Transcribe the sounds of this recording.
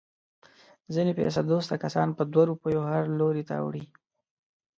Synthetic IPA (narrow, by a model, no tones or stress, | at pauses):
zinepḛsad̪ost̪akasɑnpəd̪waɾupəjohaɾloɾet̪a̰a̰wɽi